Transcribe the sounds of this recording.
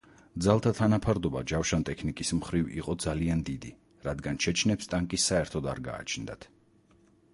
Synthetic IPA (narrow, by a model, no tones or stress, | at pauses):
d̪zalˠt̪ʰat̪ʰanapʰaɾd̪ɔbad͡ʒafʃant̪ʼɛkʰnikʼismχɾivḭqʼɔd̪zaliand̪id̪i | ɾad̪ɡant͡ʃʰɛt͡ʃʰnɛpst̪ʼaŋkʼisaɛɾt̪ʰɔd̪a̰ɾɡa̰ːt͡ʃʰnd̪a̰t̪ʰ